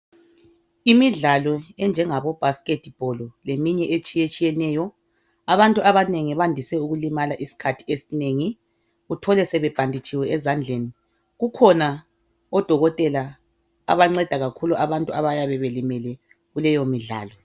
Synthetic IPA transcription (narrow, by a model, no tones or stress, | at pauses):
imiɮalɔɛnd͡ʒʱɛŋaβɔb̥ʱaskʼetʰʼb̥ʱɔlɔlemiɲɛʔet͡ʃʼijet͡ʃʼijɛnɛːjɔ | aβantʼuʔaβaneŋiβandʱisɛuɣulimalaʔisi̥kʰatʰi̥esineːŋi | ɣutʰɔlɛsɛβɛb̥ʱandʱit͡ʃʼiwɛɛzand͡ɮʱeni | ɣukʰɔna | ɔd̥ʱɔɣɔtʼɛla̰ː | βaŋ͡ǀɛd̥ʱaɣakʰuluʔaβantʼuaβajaβɛβelimɛlɛ | ɣulɛjomiɮa̰ːlɔ